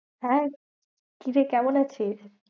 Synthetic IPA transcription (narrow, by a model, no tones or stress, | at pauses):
ɦɛ | kiɾekɛmonat͡ɕʰiʃ